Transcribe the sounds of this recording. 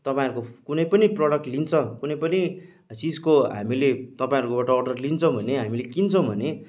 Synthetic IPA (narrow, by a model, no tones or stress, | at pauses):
t̪ʌpaĩʌɾukokunʌjpʌniprʌɽʌk̚ʈlint͡sʰʌ̃kunʌjpʌni | siskoɦa̰milet̪ʌpaĩʌɾukobaʈʌːɖʌrlint͡sʰʌ̃w̃bʱʌneɦamilekint͡sʰʌ̃w̃bʱʌne